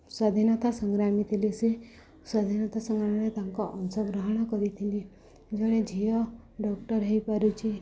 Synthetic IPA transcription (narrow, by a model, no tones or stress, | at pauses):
sad̪ʱinɔt̪asɔŋɡɾamit̪ʰilese | sad̪ʱinɔt̪asɔŋɡɾamɔɾet̪aŋkɔʔɔnsɔɡɾɔɦɔɽ̃ɔkɔɾit̪ʰili | d͡ʒɔɽ̃ed͡ʒʱiɔ | ɖɔkʈɔɾɦejpaɾut͡ʃʰi